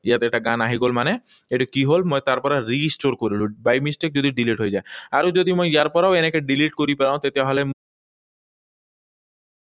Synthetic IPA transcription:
ijat̪eɛʈaɡanaɦiɡolmane | eʈukiɦolmojt̪aɾpɔɾaɾisʈoɾkoɾilubajmisʈek̚d͡ʑod̪iɖiliʈɦojd͡ʑaeaɾod͡ʑod̪imojjaɾpɔɾawenekeɖiliʈkoɾipeɾaw̃t̪et̪eɦole

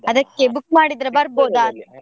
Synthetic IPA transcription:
ɐd̪ɐkːebukmaːɽid̪ɾɐbɐɾboːd̪aːt̪

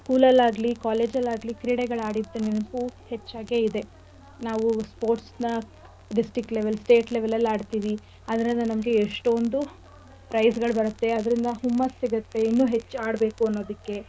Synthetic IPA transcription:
skuːlɐlaːɡlikaːle̞ːd͡ʒɐlaːɡlikɾiɽeɡɐɭaːɽid̪ːenenpuːhe̞t͡ʃːaːɡe̞id̪e̞ | naːʋuspo̞ːɾʈsnɐ | ɖisʈɾikʈleʋelsʈe̞ːʈleʋelɐlːaːɖt̪iːʋi | ɐd̪ɐɾind̪ɐnɐmɐɡe̞ːʂʈond̪u | pɾɐjsɡɐɭbɐɾut̪ːe̞ɐd̪ɐɾind̪ɐɦumːɐsːiɡɐt̪ːe̞inːuːɦe̞t͡ʃːaːɽbe̞ːkuɐnːo̞ːd̪ɐkːe̞

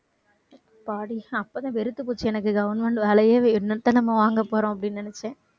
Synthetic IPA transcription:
paːɽiɐpːoːt̪ãːʋɛɾɯt̪ːɯpuːt͡ʃːɯɛnɐkːɯɡɐʋɐnʋɐɳɖʋɛːɭɐjeːɪnːɐt̪ːɐnɐmːɐʋaːŋɡɐpːoːɾõːɐp̬ːɐɽɪnːnɐnɛt͡ʃːẽː

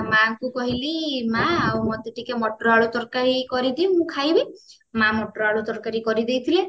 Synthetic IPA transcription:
maŋkukɔɦilimaawmɔt̪iʈikemɔʈɾaɭut̪ɔɾkaɾikɔɾid̪iũmũkʰajbi | mãmɔʈɾaɭut̪ɔɾkaɾikɔɾid̪ejt̪ʰile

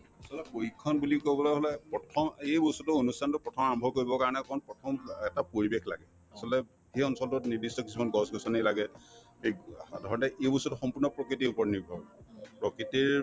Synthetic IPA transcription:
asɔlɛkoikʰːɔnbulikobɔlɔɦɔlɛpɹɔtʰɔmejbosutʊonustʰantʊpɹɔtʰɔmaɹɔmbʱɔkoɹibɔkaɹɔnɛkɔɔnpɹɔtʰɔmɛtapoɹibexʰla̰ɡɛ | asɔltɛ | hejɔnsɔltʊniɹdistɔkisʰumanɡɔsɡɔsanilaɡɛ | edʱɔɹɔntɛʔejbɔsutuxɔmpuɹnɔpɹɔkɹitiupɔɹnibʱɔbpɹɔkitiɹ

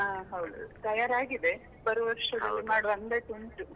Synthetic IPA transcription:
aːɦɐwd̪ṵt̪ɐjaːɾaːɡid̪e | pɐɾuʋɐɾʂɐdiimaːɽuʋɐnd̪ɐʈuɳʈu

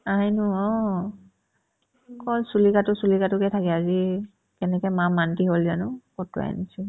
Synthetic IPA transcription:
aɦinʊɔ | kɔlsulikatʊsulikatʊkɛtʰakɛazi | kɛnɛkɛmamantiɦolzanʊkɔtṵa̰nisʊ

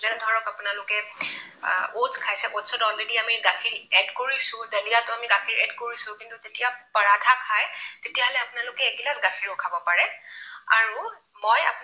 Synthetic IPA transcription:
zɛnɛdʱaɹɔkapʊnalʊkɛ | ozkʰajsɛʔodsɔtɔlɹediamiɡakʰiɹɛdkoɹisʊ̃delijatʊamiɡakʰiɹɛdkoɹisʊ̃kintutetijapaɹatʰakʰajtetijaɦɔlɛapʊnalʊkɛːɡilasɡakʰiɹʊkʰabɔpaɹɛa̰ɹu | moja̰p

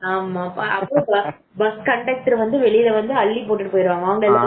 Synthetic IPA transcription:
aːmaːʔɐpːɯɾõbɐ | bɐskɐɳʈeːk̚ʈɾʋɐnd̪ɯʋɛɭɪjɪlɐʋɐnd̪ɯɐɭːipoːʈːɪʈːɯpoːjɪɾɯʋaːŋɡɐɐʋɐŋɡɐɭɪlːã

